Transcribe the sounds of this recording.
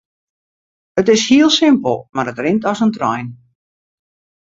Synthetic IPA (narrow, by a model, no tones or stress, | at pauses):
ətɪshiəlˠsɪmpə̰lˠmaɾətrɪntɔsəntrɔ̰jn